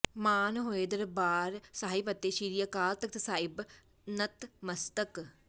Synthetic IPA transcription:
maːnɦoːeːd̪əɾbaːɾsaːipət̪ːeːʃiːɾijakaːlt̪ək̚t̪əsaːɪb | nət̪məst̪ək

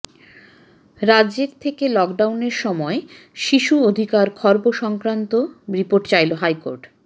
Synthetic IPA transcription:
ɾad͡ʑeɾt̪ʰekelɔkɖawneɾʃɔmɔe | ʃiʃuod̪ʱikaɾkʰɔɾboʃɔŋkɾant̪oɾipoɾʈt͡ɕajloɦajko̰ɾʈ

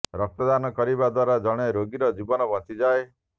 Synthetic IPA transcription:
ɾɔk̚t̪ɔd̪anɔkɔɾibad̪waɾad͡ʒɔɽ̃eɾoɡiɾɔd͡ʒibɔnɔbɔnt̪id͡ʒae

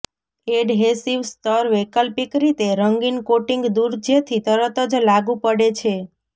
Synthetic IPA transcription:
eɖɦesiʋst̪əɾʋekəlpikɾit̪eɾəŋɡinkoʈiŋɡd̪uɾd͡ʒət̪ʰit̪əɾət̪əd͡ʒlaɡũpəɽet͡ʃʰe

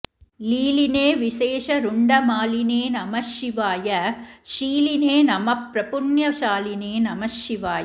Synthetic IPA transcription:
liːlɪneːʋɪseːʂɐɾʊɳɖɐmaːlɪneːnɐmɐʃɪʋaːjɐʃiːlɪneːnɐmɐpɾɐpʊɳjɐʃaːlɪneːnɐmɐʃɪʋaːjɐ

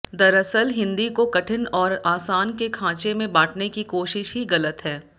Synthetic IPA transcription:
d̪ɐɾəsəlɦɪ̃nd̪ikokɐʈʰɪnɔːɾaːsaːnkekʰãːt͡ʃemẽbaːʈʰnekikoːʃɪʃɦiɣɐlət̪ɦɛː

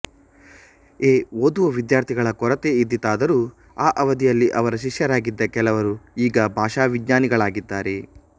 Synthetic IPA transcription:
eːoːd̪uʋɐʋid̪jaːɾt̪ʰiɡɐɭɐkɔɾɐt̪eid̪ːit̪ːaːd̪ɐɾuː | aːʔɐʋɐd̪ijɐlːiʔɐʋɐɾɐʃ̬iʂjɐɾaːɡid̪ːɐkɛlɐʋɐɾuiːɡɐbʱaːʂaːʋiɡɲaːniɡɐɭaːɡid̪ːaːɾe̞

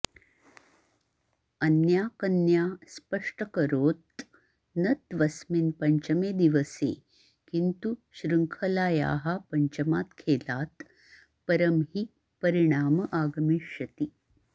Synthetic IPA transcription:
ɐnjaːkɐnjaːspəʂʈəkɐɾoːt̪ | nɐt̪ʋɐsminpɐɲt͡ʃɐmeːd̪iʋəsḛː | kint̪uɕɾɨŋkʰɐlaːja̰ːɦapɐɲt͡ɕɐmaːt̪kʰeːlaːt̪ | pɐɾəmɦi | pəɾiɽ̃aːmɐʔaːɡɐmiʃɐt̪i

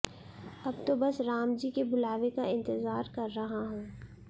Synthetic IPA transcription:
ɐbt̪obɐsɾaːmd͡ʒikebʊlaːʋekaɪ̃nt̪ɪzaːɾkɐɾːɐɦaɦɛ̃ː

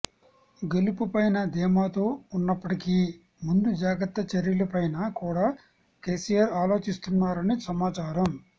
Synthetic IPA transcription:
ɡelupupɐjnɐd̪ɛːmaːt̪o̞ːunːɐpːɐʈikiː | mund̪ud͡ʒaːɡɐt̪ːɐt͡ʃɐɾjɐlɐpɐjnɐkuːɽaː | keːsijaɾaːlo̞ːt͡ʃist̪unːaːɾɐnisɐmaːt͡ʃaːɾɐm

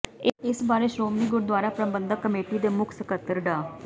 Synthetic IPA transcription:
eesbaːɾeʃɾoːmiːɡʊɾd̪waːɾapɾəbə̃nd̪ʱəkːəmeːʈiːd̪emʊkʰsəkət̪ːəɾɖaː

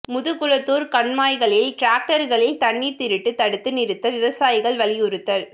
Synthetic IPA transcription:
mʊðɯkːʊɻɐt̪ːuːɾkɐɳmaːjɣɐɭɪlʈɾaːk̚ʈɐɾɣɐɭɪlt̪ɐɳːiɾt̪ɪɾɪʈːɯt̪ːɐɽɯt̪ːɯnɪɾɯt̪ːɐʋɪʋɐsaːjɪɣɐɭʋɐlɪjʊɾɯt̪ːɐɭ

